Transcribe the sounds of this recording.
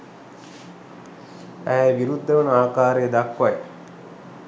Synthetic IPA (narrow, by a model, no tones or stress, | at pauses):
æɦæʋiɾud̪ːəʋənəaːkaːɾejːd̪akʋaj